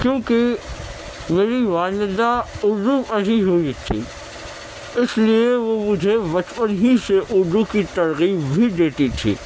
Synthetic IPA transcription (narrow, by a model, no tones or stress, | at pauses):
kjõːkɪ | meːɾiʋaːlɪd̪aʊɾd̪uʔɐɽiɦoit̪ʰḭː | ɪslieʋomʊd͡ʒʱeʋɐt͡ʃpənɦiseʔʊɾd̪ukit̪ɐɾɣiːbbʱiɖ̪eːt̪it̪ʰḭː